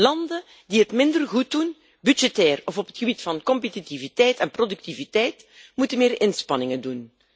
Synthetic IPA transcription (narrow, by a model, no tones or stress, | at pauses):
lɑndə | diətmɪndərɣut̚dun | bydd͡ʒɛtɛːrɔvɔpɦətxəbitfɑnkɔmpetitivitɛjtɛnprodɵk̚tivitɛjtmutənmɪːrɪnspɑnɪŋəndun